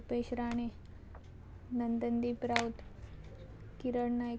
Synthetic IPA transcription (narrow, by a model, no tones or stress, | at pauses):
peɕɾaɽ̃i | nənd̪ənd̪iːpɾawt̪ | kiɾəɽna